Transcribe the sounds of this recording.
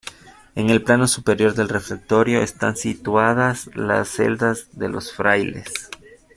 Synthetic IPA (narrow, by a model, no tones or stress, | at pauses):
e̞ŋe̞lplano̞supe̞ɾjo̞ɾðe̞lre̞flek̚t̪o̞ɾjo̞est̪ansit̪waðazla̰sːe̞̰ld̪azðe̞lo̞̰sfɾajle̞̰s